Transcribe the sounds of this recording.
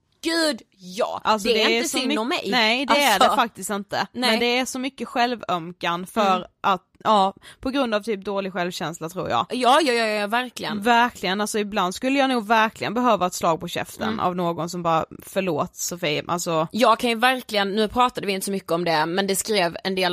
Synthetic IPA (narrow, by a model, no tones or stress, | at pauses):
ɡ̥ʉ̟ːd̪jɑ̰ːʔʔals̬ɔɛɾd̪ɛəsɔməmɛjnɛd̪ɛædɛfak̚t̪ɪst̪ɪnt̪əmɛnd̪ɛæʂɔmʏkːəɧɛlvœmkanfœɾʔat̪ʔɑːpʰɔɡɾɵnd̪avt̪ʰyːp̚d̪oːlɪɡɧɛlvɕɛnslat̪ʰɾṵːɾjɑ̰ːɡjɑːjɑːjɑːjɑɑvæɾklɪɡə̰nvæɾkʰlɪɡənalsɔɪbland̪skɵlːəjɑːnuːɡvæɾklɪɡənbɛɦøːvaɛt̪slɑːɡ̚pʰɔɕɛ̰ft̪ʰə̰nʔa̰vnoːɡɔnsɔmbɑːɾafœɭoːt̪sɔfiːʔa̰lsɔjɑːɡ̚kʰanjɵvæɾklɪɡənːʉ̟ːpʰɾɑːt̪ad̪əvɪnt̪əsɔmʏkːəɔmd̪ɛmɛnd̪ɛskɾeːvɛnd̪eːl